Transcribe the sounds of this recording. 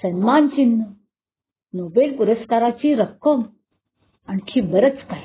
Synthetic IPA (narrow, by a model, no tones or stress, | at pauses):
sənmant͡ɕinːə | nobelpuɾəskaɾat͡ɕiɾəkːəm | ankʰiːbəɾət͡skaɦi